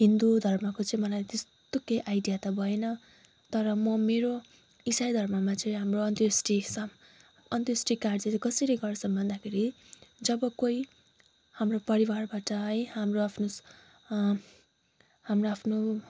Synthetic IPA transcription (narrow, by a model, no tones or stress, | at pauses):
ɦind̪ud̪ʱʌrmʌkot͡sʌĩmʌlajt̪estt̪okejʔajɖijat̪ʌbʱʌenʌ | t̪ʌɾʌmʌmeɾo | isajd̪ʱʌrmʌmat͡sʌĩɦamroʌnt̪jsʈisʌ | ʌnt̪ʌsʈikard͡zʌɾikʌsʌɾʌɡʌrsʰʌbʱʌnd̪akʰeɾi | d͡zʌbʌkoi | hamropʌɾiwarbaʈʌʌjɦamroapʰnos | hamroapʰno